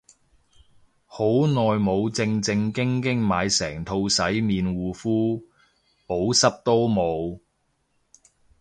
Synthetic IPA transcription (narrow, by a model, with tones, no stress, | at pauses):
ho˨˥wnɔː˨jmo˨˧wt͡sɪ˧ŋt͡sɪ˧ŋkɪ˥ŋkɪ˥ŋmaː˨˧jsɛː˨˩ŋt̪ʰo˧wsɐ˨˥jmiː˨˧nwuː˨˧fuː˥ | po˨˥wsɐ˥p̚t̪o˥wmo˨˧w